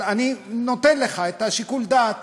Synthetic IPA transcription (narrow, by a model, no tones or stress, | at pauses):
anino̞t̪enleχaet̪aʃikuld̪at̪